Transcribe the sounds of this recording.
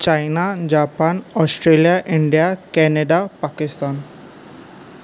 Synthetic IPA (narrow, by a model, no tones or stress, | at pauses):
t͡ɕajnad͡ʑapanɔsʈɾelijaʔiɳɖijakɛneɖapakist̪an